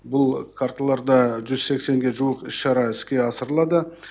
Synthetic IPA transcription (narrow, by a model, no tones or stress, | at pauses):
bʊlˠkʰaɾt̪alˠɑɾd̪ɑʒʏzse̞kse̞ŋɡʲe̞ʒuwəqɪʃʃɑɾɑɪskʲe̞ɑsəɾəlˠɑd̪ə